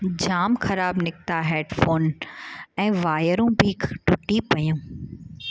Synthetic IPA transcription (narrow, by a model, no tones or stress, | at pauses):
d͡ʑaːmxɐɾaːbnɪk̚t̪aɦeːɖfoːn | ɛ̃ːʋaːjəɾũbiːkʈʊʈipɐjũː